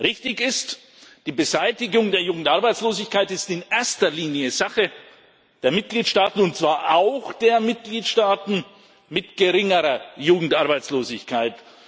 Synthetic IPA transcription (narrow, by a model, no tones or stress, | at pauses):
ʁɪçtɪçɪst | d̥iːbəzaɪtɪɡʊŋdeːɐjuːɡŋ̩tʔaɐbaɪt͡sloːzɪçkʰaɪtɪstɪnʔeɐstɐliːnjəzaχə | d̥eːɐmɪt̚ɡ̥liːtʃtaːtn̩ʊnt̚t͡sv̥aːɐʔaʊxd̥eːɐmɪt̚ɡ̥liːtʃtaːtn̩ | mɪtɡ̥əʁɪŋəʁɐjuːɡŋ̩tʔaɐbaɪt͡sloːzɪçkʰaɪt